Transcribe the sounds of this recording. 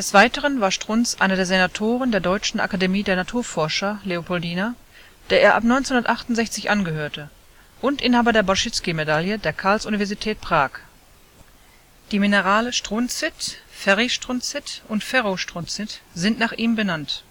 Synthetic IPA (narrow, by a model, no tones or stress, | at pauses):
d̥ɛsv̥aɪtəʁənvaːɐʃtʁ̥ʊnsʔa̰ɪnɐdeːɐzenatʰoːʁəndeːɐdɔʏt͡ʃn̩ʔa̰kademiːdeːɐnatʰuːɐfɔɐʃɐleopɔldiːna | d̥eːɐʔeːɐʔa̰pnɔʏnt͡senhʊnɐtʔaχtʊntz̥ɛçt͡sɪçʔanɡəhøːɐtʰə | ʔʊntʔɪnhaːbɐdeːɐbaʃɪt͡skimedaljədeːɐkʰaɐlsʔunivɛɐzitʰɛːt̚pʁ̥aːk | d̥iːminəʁaːləʃtʁ̥ʊnt͡sɪtfɛʁiʃtʁ̥ʊnt͡sɪtʔʊntfɛʁoʃtʁ̥ʊnt͡sɪtz̥ɪntnaːχʔiːmbənant